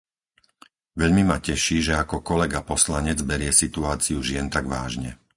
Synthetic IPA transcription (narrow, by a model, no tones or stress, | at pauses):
ʋɛʎmimacɛʃiːʒɛakɔkɔlɛɡapɔslaɲɛd͡zbɛɾɪɛsit̪uaːt͡siuʒɪɛnt̪aɡʋaːʒɲɛ